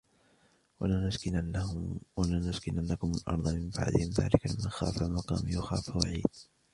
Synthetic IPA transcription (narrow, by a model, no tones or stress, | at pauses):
waanaskɪ | walaːnʊskɪnʔanːakʊmʊlʔɑ̰ɾˤd̪ˤɑnmɪmba̰ʕd̪ɪhɪmða̰ːlɪkalɪmanxaːfamɑqɑːmɪjʊxaːfawaʕiːd̪̚